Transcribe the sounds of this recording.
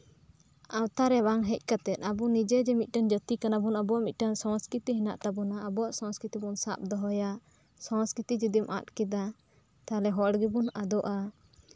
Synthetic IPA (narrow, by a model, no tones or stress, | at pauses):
awt̪aɾɛbaŋɦɛc̚ˀkat̪ɛt̪̚ˀabunid͡ʒɛd͡ʒɛmit̪̚ˀʈand͡ʒət̪ikanabunabɔaʔmic̪̚ˀʈansɔ̃skit̪iɦinaʔt̪abunaəbɔwaʔsɔ̃skit̪ibunsa̰p̚d̪ɔɦɔja | sɔ̃skɾit̪id͡ʒid̪imʔa̰t̪̚kid̪a | t̪alɛɦɔɽɡibunad̪ɔʔa